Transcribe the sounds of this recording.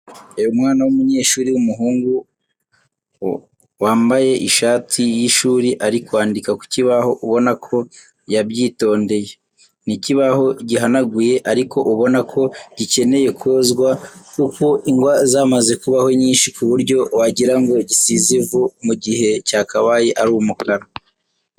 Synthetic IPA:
ejumŋaːnawumuɲe̞ːʃuːɾiwumuɦuːŋɡu | waːmbaje̞ʔiʃaːtʰijiʃuːɾiʔaɾikwaːndikaku̥ciβaho̞ʔuβo̞nakʰo̞ | jabjiːto̞ːnde̞je | niciβaɦo̞ɟiɦanaɡuje̞ʔaɾikʰo̞ʔuβo̞nakʰo̞ɟice̞ne̞je̞kʰoːzɡwakuko̞ʔiŋɡwazaːmaze̞kuβaho̞ɲiːnʃikuβuɾɟo̞waɟiɾaŋɡo̞ɟisizivumuɟihe̞caːkaβajeʔaɾuːmukaɾa

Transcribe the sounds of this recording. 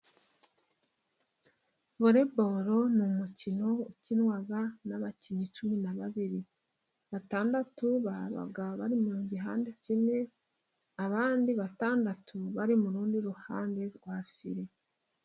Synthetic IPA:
βoɾebo̞ɾo̞numucino̞ucinwaɡanaβaciɲit͡ʃuminaβaβiɾi | βataːndatuβaβa̰ɡaβaɾimuɾuːɲɟiɦa̰ːndecine̞ | aβaːndiβataːndatuβaɾimuɾuːndiɾuhaːnde̞ɾɡwafḭɾe̞

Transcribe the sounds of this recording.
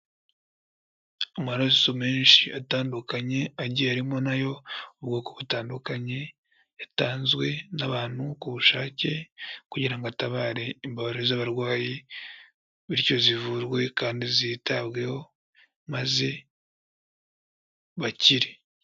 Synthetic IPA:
omuaɾazisomeːnʃiataːndukaɲe̞aɟiaɾimo̞najo̞oβɡokoβutaːndukaɲe̞ | jataːnzwe̞naβaːn̥hukuβuʃaːce̞kuɟiɾaŋɡoataβaːɾe̞imbaβaɾiɾozaβaɾwaːji | βiɾco̞zivuɾɡwe̞kaːndizitaβɡe̞ho̞ | maze | βaciɾe

